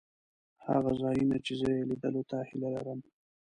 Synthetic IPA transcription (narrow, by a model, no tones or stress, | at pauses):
ha̰ɣazɑjinat͡ʃezəjelid̪əlot̪ahilalaɾəm